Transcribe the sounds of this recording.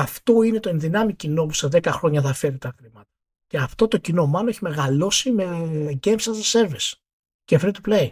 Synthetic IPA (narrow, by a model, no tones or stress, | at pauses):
ɐft̪o̞ine̞t̪o̞e̞nðinɐmicino̞p̬u̥seðe̞kɐxɾo̞ɲɐθɐfe̞ɾit̪ɐxɾimɐt̪ɐ̥ | ce̞ɐft̪o̞t̪o̞cino̞mɐno̞eçime̞ɣɐlo̞sime̞ɟemsɐzese̞ɾvis | cefɾit̪uplei